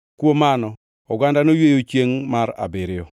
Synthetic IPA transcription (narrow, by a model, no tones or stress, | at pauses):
kwomanɔ | ɔɡandanojwejot͡ʃeŋmaɾa̰bɪɾɪjɔ